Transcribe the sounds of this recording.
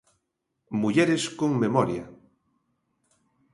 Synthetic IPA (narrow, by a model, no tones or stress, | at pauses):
muʎɛɾeskoŋmemɔɾja̰